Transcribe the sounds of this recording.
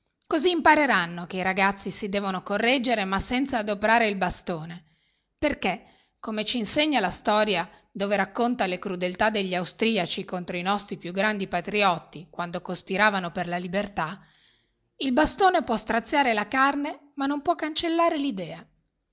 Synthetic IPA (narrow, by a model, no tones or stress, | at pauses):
koziːmpaɾeɾanːok̟eiɾaɡat̪sːisid̪ɛːvonokorːɛd͡ʒːeɾemasːɛnt̪saːd̪opeɾaːɾeilbast̪oːne | perke | kːomet͡ʃiːnseɲːalast̪ɔːɾja | d̪oːveɾakːont̪alekɾud̪elt̪ad̪eʎːiawst̪ɾiːat͡ʃikont̪ɾoinɔst̪ɾipjuɡːɾand̪ipat̪ɾiɔt̪ːikwand̪okospiɾaːvanoperlalibert̪a | ilbast̪oːnepwɔst̪ɾat̪sːjaːɾelakarnemanːompwɔkːant͡ʃelːaːɾelid̪ɛːa